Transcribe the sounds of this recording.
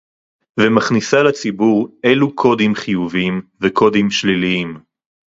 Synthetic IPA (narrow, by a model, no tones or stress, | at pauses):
vemaχnisalat͡sibuʁe̞lukʰo̞d̪imχijuviimveko̞d̪imʃliliim